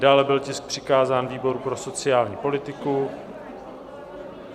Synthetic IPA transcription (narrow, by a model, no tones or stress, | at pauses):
daːlɛbɪlcɪsk̚pr̝̥ɪkaːzaːnviːbo̞ɾupɾo̞so̞t͡sɪjaːlɲiːpo̞lɪt̪ɪku